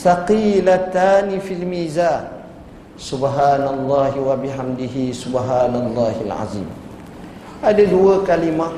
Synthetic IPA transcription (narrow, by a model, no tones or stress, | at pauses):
saqiːlat̪aːnifilmiːzaːn | subɦaːnalˤːɑːɦiwabiħamd̪iɦisʊbɦaːnalˤːɑːhilʕa̰zḭːm | ʔadəduwəkalima